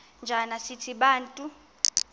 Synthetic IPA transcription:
nd͡ʒʱanasitʰiɓaːntʼu

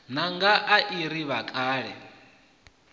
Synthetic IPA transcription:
naŋɡaʔaʔiɾiβakʼaːɺɛ

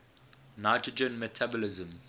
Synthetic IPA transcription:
naɪtɹəd͡ʒə̃nmɛtʰabɔlɪzə̃m

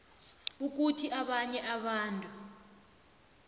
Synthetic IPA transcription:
uk̬utʰiʔaɓaɲɛʔaɓaːntʼu

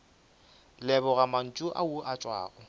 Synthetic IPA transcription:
lɛbɔɣaman̩t͡ʃʼʊʔa̰ʊʔat͡ʃʼwa̰ːɣɔ

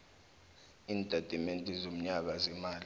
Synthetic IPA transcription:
iːndʱʼad̥ʱimentʼizom̩ɲak̬azɛmaːli

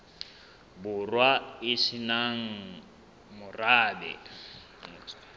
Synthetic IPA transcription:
bʊrwaɪsinaŋ̩ | mʊraːbɛ̰

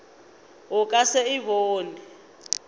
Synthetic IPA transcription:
ʊkʼasɛiβoːni

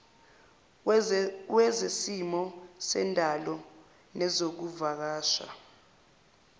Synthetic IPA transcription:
wɛzesimɔsɛ̰ndʼʱalɔ | nɛzok̬uvak̬aːʃa̰

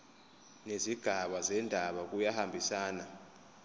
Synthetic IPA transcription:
neziɡ̥ʱaɓazɛndʱaɓak̬ʼujahambʱisaːna

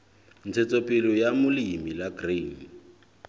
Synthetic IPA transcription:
n̩t͡sʰet͡sɔpʼɪlɔjamʊlɪimilaɡriːn

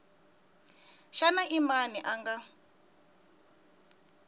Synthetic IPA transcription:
ʃanaʔimaniʔaŋɡa

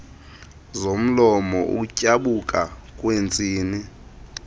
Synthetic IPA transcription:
zom̩lɔmɔʔṵcʼaɓukʼakʼwent͡sʼiːni

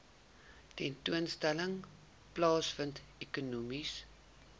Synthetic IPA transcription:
tɛntuənstæləŋ | plɑːsfəntekunumis

